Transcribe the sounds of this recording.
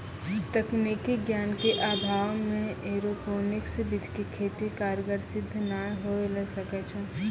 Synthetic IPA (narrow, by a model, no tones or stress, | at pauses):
t̪əknikiɡjankeʔabʱawmẽeɾoponiksəbid̪ʱkekʰet̪ikaɾjəɡəɾsɪd̪ʱːnajɦoelɛsəkɛt͡ʃʰɛ